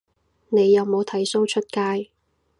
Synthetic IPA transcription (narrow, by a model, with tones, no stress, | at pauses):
ne˨˧jːɐ˨˧wmo˨˧wt̪ʰɐ˨˥jso˥wt͡ʃʰɵ˥t̚kaː˥j